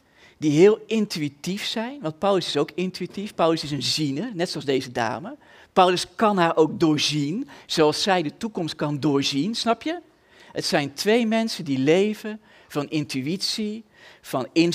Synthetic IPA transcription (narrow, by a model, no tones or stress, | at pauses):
diɦɪːlˠɪntyitifsɛjnʋɑnt̚pawləsɪsowkɪntyitifpœwləsɪsənzinərnɛtsoɑlzdejzəda̰ːmə | pʌwləskɑnɦaːɹʔowk̚dʊːɹzinz̥oɑlˠsːɛjdətukɔmst̚kɑndʊːɹzinsnɑpjə | hətsɛjntʋejmɛnsəndilejvə | v̥ɑnɪntyitsi | v̥ɑnɪn